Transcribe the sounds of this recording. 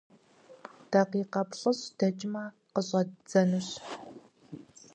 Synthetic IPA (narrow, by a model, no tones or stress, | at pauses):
d̥ɐqiːqɐpɬʼɨɕd̥ɐt͡ʃʼɪmaː | qəɕʼɐd͡zɐnuɕ